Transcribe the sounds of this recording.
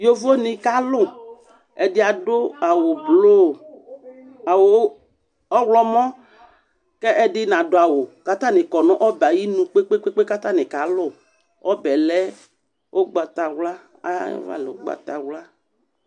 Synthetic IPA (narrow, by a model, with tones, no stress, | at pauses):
jo˦vo˦nĩ˨ka˦lʊ˦ | ɛ˨dɪ˦a˨dʊ˦a˨wo˨blo˦˨ | a˨wo˨˦ | ɔ˦wlɔ˦mɔ̃˦ | kɛ˦ʔɛ˦dɪ˦nã˨do˦a˨wo˨ka˦t̪ã˦nɪ̃˨kɔ˨nɔ̃˦ʔɔ˦ba˨ji˦nũ˨k͡pe˦k͡pe˦k͡pe˦k͡pe˦ka˦t̪ã˦nɪ̃˨ka˨lʊ˦˨ | ɔ˦bɛ˨lɛ˦ | wʔo˦ɡ͡ba˨t̪a˨wla˦ | a̰˨˦jɔ̰˨va̰˦˨lɛ˨o̰˦ɡ͡ba̰˨t̪a˨wla˦